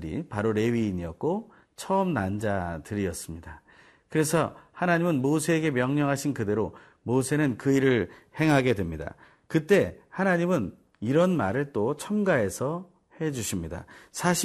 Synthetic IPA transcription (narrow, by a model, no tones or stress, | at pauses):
ɾḭpaɾoɾe̞ɥiːɲiʌk̚k͈o | t͡ɕʰʌːmnand͡ʑatɯɾiʌs͈ɯmɲida | kɯɾe̞sʰʌhanaɲimɯnmosʰe̞ːɡe̞mjʌŋɲʌŋɦaɕʰinkɯde̞ɾo | mosʰe̞nɯnkɯiɾɯɭhe̞ŋɦaɡe̞dwemɲida̰ | kɯt͈e̞hanaɲimɯn | iɾʌnmaɾɯɭt͈ot͡ɕʰʌmɡae̞sʰʌ | he̞d͡ʑuɕʰimɲida̰sʰaɕʰ